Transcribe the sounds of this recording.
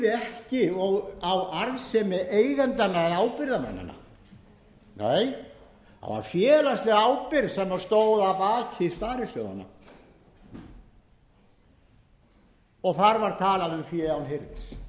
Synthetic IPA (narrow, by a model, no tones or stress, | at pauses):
ðɪɛhcɪɔɣawaɾvsɛmɪʔeːjvɛnt̪anːaɛðaːwpɪɾðamɛ̰nːʏ̰na̰ | neːj | ha̰ðva̰ɾ̥fjɛːlast̪lɛɣaːwpɪɾðsɛmːaɾ̥st̪oːwðapaːcʰɪistp̪aːɾɪsœɣa̰na̰ | ɔɣθaɾvaɾt̪ʰaːlaðʏmfjɛːawnhɪɾt̪s